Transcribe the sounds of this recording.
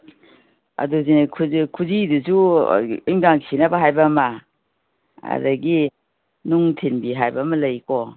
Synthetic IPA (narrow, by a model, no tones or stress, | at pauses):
a̰duzinkʰukʰuziduzṵ | iŋɡaŋsinabaɦajbama | a̰daɡi | nuŋtʰinbiɦajbamɐlɐjkɔ